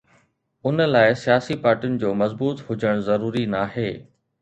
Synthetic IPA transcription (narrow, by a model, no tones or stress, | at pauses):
ʊnəlaːɪsijaːsipaːɾʈijʊnɪ̆d͡ʑoːmɐzbuːt̪ɦʊd͡ʑəɽ̃zɐɾuːɾinaːɦeː